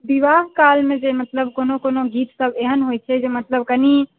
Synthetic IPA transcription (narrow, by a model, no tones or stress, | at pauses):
biʋaːɦkaːlmẽd͡ʒemət̪ləb̚koːnokoːnoɡiːt̪səbeɦənɦojt͡ʃʰɛd͡ʒemət̪ləb̚kəni